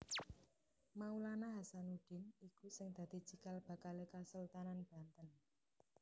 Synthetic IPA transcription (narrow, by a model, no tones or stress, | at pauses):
maulanaɦasanuɖ̥ɪ̤nikusɪŋd̪̥ä̤d̪̥i̤̥t͡ʃikalb̥a̤kalekasəlt̪ananb̥a̤nt̪ən